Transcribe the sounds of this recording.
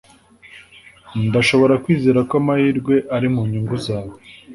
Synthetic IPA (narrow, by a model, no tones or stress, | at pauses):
ndaʃo̞βo̞ɾakwiːzeːɾakomahiːɾɡwe̞ʔaɾimuɲuŋɡuzaːwe